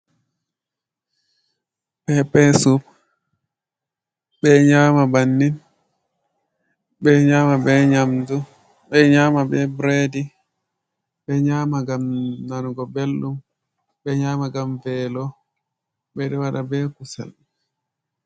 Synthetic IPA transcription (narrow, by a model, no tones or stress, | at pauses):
ɓɛpɛsub | ɓɛɲaːmabanːin | ɓɛɲamabɛɲamdu | ɓɛɲaːmabɛbɾedi | ɓɛɲamaɡamnanɡɔbelːum | bɛɲaːmaɡamvɛlɔ | bɛɗɛwaɗabɛkusɛ̰l